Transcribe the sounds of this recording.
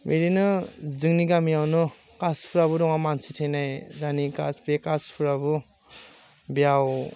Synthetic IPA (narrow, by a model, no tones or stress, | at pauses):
meɾinɯzɯŋniɡamiawnɔ | kaspʰuɾaβuɾɔŋamansitʰenajzanikaspekaspʰuɾabu | bijaw